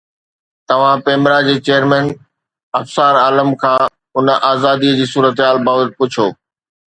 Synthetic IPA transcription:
t̪ɐʋ̤ãpeːmɾad͡ʑeːt͡ɕeːjəɾmɛ̃ːn | ɐfsaːɾaːləmkʰãː | ʊnəʔaːzaːd̪iəd͡ʑiːsuːɾət̪ɦaːlbaːʋət̪̚pʊt͡ɕʰoː

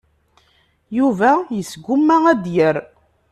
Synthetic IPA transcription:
juvæjəsɡumːææd̪jəɾ

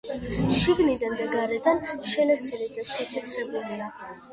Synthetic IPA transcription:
ʃiɡnid̪and̪aɡaɾɛd̪anʃɛlɛsɛlid̪aʃɛt̪sʰɛt̪ʼʰɾɛbulia

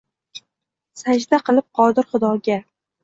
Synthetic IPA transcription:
sad͡ʒd̪aqɨlˠɪp̚qʰɒd̪ɪɾχʊd̪ɒɡʲa

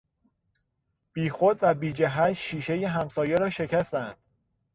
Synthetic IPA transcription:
b̥iːxo̞d̪væbiːd͡ʒæɦæt̪ʃiːʃe̞jeɦæmsɒːjeɾɒːʃe̞cʰæst̪ænd̪̥

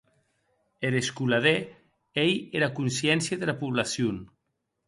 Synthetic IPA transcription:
eɾeskulaðe | ejeɾakunsjɛnsjaðelapuβlasjun

